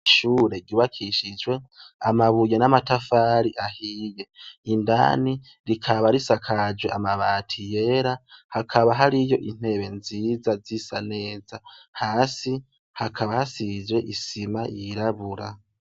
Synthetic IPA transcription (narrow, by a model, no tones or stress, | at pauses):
ʃuːɾe̞ɾɟuːβakʰiʃid͡ʒwe̞amaβujenamatafaːɾiʔahiːje̞inda̰ːni | ɾikʰaβaɾisakʰad͡ʒwe̞amaβaːtʰije̞ːɾahakʰaβaɦaɾijo̞ʔin̥he̞ːβe̞nziːzazisane̞ːzahaːsi | hakʰaβahasid͡ʒwe̞ʔisimajiɾaβuɾa